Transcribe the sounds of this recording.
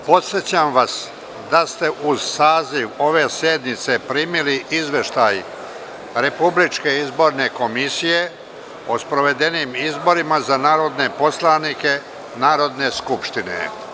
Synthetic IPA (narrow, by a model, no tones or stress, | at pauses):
po̞t̪sjet͡ɕamʋas | d̪ast̪e̞ʔuzsaːziʋo̞ʋe̞sjed̪nit̪se̞pɾiːmiliʔizʋe̞ʃt̪aj | ɾe̞publit͡ʃke̞izbo̞ɾne̞ko̞misije̞ | o̞spɾo̞ʋe̞d̪e̞niːmizbo̞ɾimazanaːɾo̞d̪ne̞po̞slˠanike̞ | naːɾo̞d̪ne̞skupʃt̪inḛ